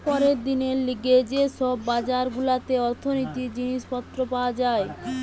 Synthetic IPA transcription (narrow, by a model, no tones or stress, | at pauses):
pɔɾeɾd̪ineɾliɡed͡ʑeʃɔbːad͡ʑaɾɡulat̪eɔɾt̪ʰonot̪id͡ʑiniʃpɔt̪ːɾopaoad͡ʑae